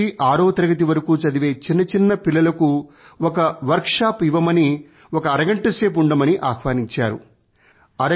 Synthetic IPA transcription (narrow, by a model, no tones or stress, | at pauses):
iʔaːɾoːt̪ɐɾɐɡɐt̪̬iʋɐɾɐkuːt͡ʃɐd̪iʋe̞ːt͡ʃinːɐt͡ʃinːɐpilːɐlɐku | ɔkɐʋɐɾkʂaːpiʋɐmɐni | ɔkɐːɾɐɡɐɳʈɐseːp̬uɳɖɐmɐniʔaːxʋaːniɲt͡ʃaːɾṵ | ɐɾɐ